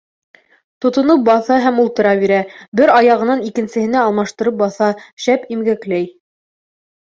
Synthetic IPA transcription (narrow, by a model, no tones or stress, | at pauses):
t̪ŏt̪ŏnɤp̚bɑθɑɦæmulˠt̪ɤ̆ɾɑβiɾæbɘɾɑjɑʁɤ̆nɑnikɘ̆nsɘ̆hɘ̆næːlˠmɑʃt̪ɤ̆ɾɤp̚bɑθɑʃæpimɡæklæj